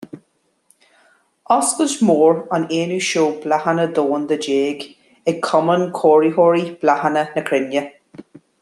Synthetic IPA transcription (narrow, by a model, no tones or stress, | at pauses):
ɔskəʃmoːɹaneːnuːʃoːblahənəd̪oːnd̪əd͡ʒeːɡ | ɛɡ̚kʰɔmənkʰoːɹiɦoːɹib̥lahənənəkʰɾɪnjə